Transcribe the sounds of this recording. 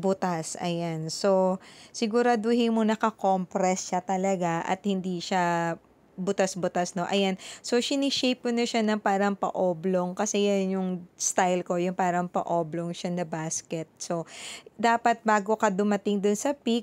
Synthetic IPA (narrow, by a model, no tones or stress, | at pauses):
bʊt̪asʔɐ̰janso̞sɪɡʊɾad̪ʊhɪŋmonɐkɐkompɾɛsʃat̪ɐlɐɡaʔɐ̰t̪̚hɪnd̪iʃa | bʊt̪asbʊt̪asno̞ʔɐjanso̞ʃɪnɪʃejp̚ʊnɐʃanɐŋpaːɾɐŋpɐ̰ʔoːbloŋkɐsɛjanjʊŋst̪ajlko̞jʊŋpaːɾɐŋpɐ̰ʔoːbloŋʃanɐbaːskɛt̪̚so̞d̪aːpɐt̪̚baːɡo̞kɐd̪ʊmɐt̪ɪŋd̪ʊnsɐpik̚